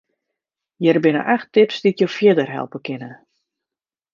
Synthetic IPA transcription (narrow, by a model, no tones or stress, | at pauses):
jɛrbɪnə̰ʔaxtɪpsditjofjɪdərɦɛ̰lˠpəkɪnə